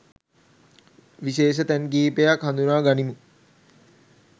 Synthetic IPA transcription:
ʋiʃeːʃ̬ət̪ænkiːpejakhand̪unaːɡanimu

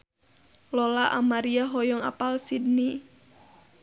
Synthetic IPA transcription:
lɔlaʔamaɾiaɦɔjɔŋa̰palsid̚ni

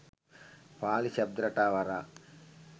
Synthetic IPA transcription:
paːliɕɐb̚d̪ɾɐʈaːʋɐɾa

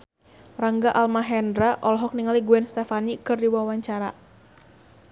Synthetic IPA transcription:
raŋɡaʔalmaɦɛndɾaʔɔlɔɦɔk̚niŋaliɡuɛnst̪ɛfanikɨrdiwawaɲt͡ʃaɾa̰

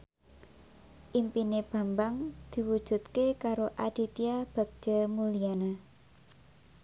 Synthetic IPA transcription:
ʔimpineb̥a̤mbaŋd̪̥i̤wud̥ʒ̥ṳt̪kekaɾoʔad̪̥i̤t̪iab̥a̤k̚d͡ʒ̥a̤muliana

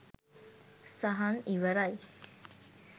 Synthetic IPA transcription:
saɦaniʋəɾaj

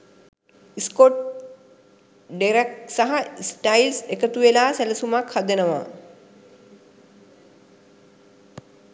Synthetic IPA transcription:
iskoʈ | ɖeɾek̚saɦaisʈajlsekət̪uʋelaːsæləsumakhad̪enəʋa̰

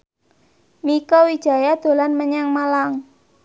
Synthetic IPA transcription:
mikɔwid̥ʒ̥a̤jad̪̥o̤lanməɲaŋmalaŋ

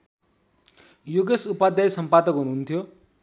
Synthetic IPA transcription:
juɡesupad̪jʌjsʌmpad̪ʌkɦunuɦunt̪ʰjo

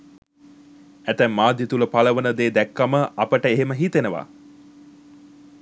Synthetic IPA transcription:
æt̪æmːaːd̪jit̪uləpaləʋənəd̪eːd̪ækːaməʔapəʈəeɦeməɦit̪enəʋa̰ː

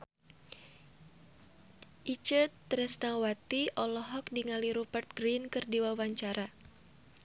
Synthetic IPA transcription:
ʔit͡ʃət̪ːɾɛsnawat̪iʔɔlɔɦɔk̚diŋaliɾubərt̪̚ɡɾinkɨrdiwawaɲt͡ʃaɾʔa

